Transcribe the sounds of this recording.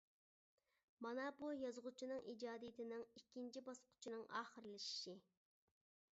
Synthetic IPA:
mɑnɑbujɑzʁʊt͡ʃʰinɨŋʔid͡ʒɑːd̪ijt̪ʰɪnɪŋikʲʰːint͡ʃʰibɑsqʰʊ̥t͡ʃʰinɨŋʔɑ̰ːχəɾɨlɪʃi̥ʃi

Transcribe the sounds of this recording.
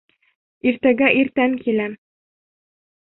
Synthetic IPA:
iɾt̪æɡæʔiɾt̪æŋkilæm

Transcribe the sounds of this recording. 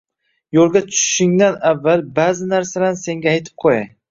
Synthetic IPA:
jolˠɡʲat̪ʰʊ̥ʃʃɪŋd̪anavːalbazɪnaɾsalanse̞ŋɡʲaːjt̪ʰɪ̥p̚qʰojaj

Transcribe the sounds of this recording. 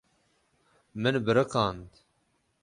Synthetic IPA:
mɨnbɨɾɨkɑːnd̪

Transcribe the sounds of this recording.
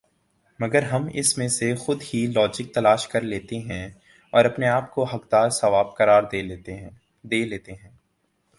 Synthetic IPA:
mɐɡəɾɦɐmɪ̰smẽsexʊd̪hilɔːd͡ʒɪk̚t̪ɐlaːʃkɐɾleːt̪eɦɛ̃ | ɔːɾɐpneaːp̚koɦɐkd̪aːɾsɐʋaːb̚kɐɾaːɾe | d̪eːleːt̪eɦɛ̃ː

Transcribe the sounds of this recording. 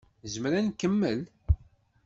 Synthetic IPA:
zəmɾænkəmːəl

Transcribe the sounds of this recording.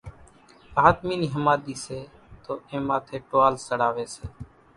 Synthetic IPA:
paːt̪miːniːɦəmaːd̪iːseː | t̪oːẽːmaːt̪ʰeːʈoaːlsəɽaːʋeːseː

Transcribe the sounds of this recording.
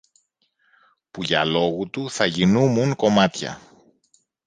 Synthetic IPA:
puʝɐlo̞ɣut̪uθɐʝinumuŋko̞mɐt̪çɐ̰

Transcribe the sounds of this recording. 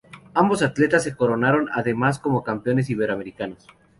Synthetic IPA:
ambo̞sat̪le̞t̪as̬ːe̞ko̞ɾo̞naɾo̞na̰ðe̞masko̞mo̞kampeo̞ne̞s̬iβ̞e̞ɾoame̞ɾikanos

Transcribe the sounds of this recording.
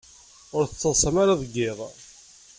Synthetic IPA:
ʊɾθət͡sːəðˤsˤəmaɾaðˤəɡːɪðˤ

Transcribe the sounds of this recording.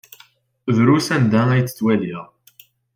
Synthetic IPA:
ðɾusænd̪ææjt͡sːə̥t͡sːwæliʁ

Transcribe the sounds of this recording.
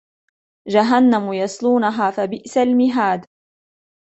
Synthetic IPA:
d͡ʒaɦanːamʊjɑsˤluːnaɦaːfabɪʔsalmɪɦaːd̪

